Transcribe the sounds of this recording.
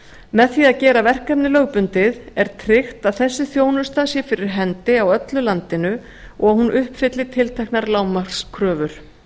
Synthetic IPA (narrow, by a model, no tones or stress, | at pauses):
mɛðθiaðcɛːɾavɛr̥kapnɪlœːɣpʏnt̪ɪðɛɾ̥t̪ʰɾɪxt̪aðθɛsːɪθjoːwnʏst̪asjɛfɪɾɪɾ̥ɦɛnt̪ɪawœt̪lʏlant̪ɪnʏ | ɔɣahunʔʏhpfɪt̪lɪt̪ʰɪlt̪ʰajhknaɾlaːwmḁskʰɾœːvʏɾ̥